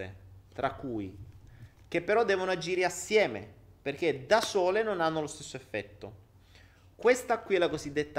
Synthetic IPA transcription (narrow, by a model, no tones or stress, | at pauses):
ḛt̪ɾakːuːj | k̟epːeɾɔd̪ːɛːvonoad͡ʒiːɾeasːjɛːmḛperk̟ed̪asoːlenonanːolost̪esːoefːɛt̪ːo̰ | kwest̪akːwiɛlakozid̪ːet̪ːa